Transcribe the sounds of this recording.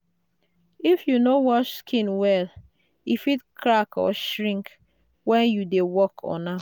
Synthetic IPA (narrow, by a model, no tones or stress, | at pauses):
ifjunowɔtʃskʰĩnwɛl | ifitkʰɾakɔ̰ʃɹĩŋk | wɛ̃njudewɔkʰɔ̰na